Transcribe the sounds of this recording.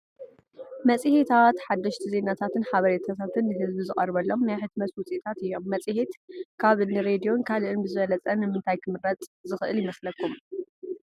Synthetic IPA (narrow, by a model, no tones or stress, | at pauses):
mɐt͡sʼɨhit̪ʰat̪ħad̪ːɐʃt̪ʰize̞nat̪ʰat̪ɨnħaβɐɾet̪ʰat̪ʰat̪ʰɨnːɨɦɨzbizɨχʼɐɾβɐlːo̞mːjaħɨt̪mɐt̪wʊt͡sʼit̪ʰat̪ɨjːo̞mːɐt͡sʼɨhit̪kʰaβɨnɨɾe̞d̪ijo̞nkʰalɨʔɨnbɨzɨβɐlɐt͡sʼɐnɨmɨnt̪ʰajkʰɨmɨɾɐt͡s̪ʼzɨxɨʔɨljɪmɐslɐkːum